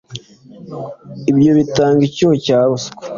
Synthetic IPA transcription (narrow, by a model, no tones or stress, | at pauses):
ibjo̞βitaːŋɡicuocaːβusko̥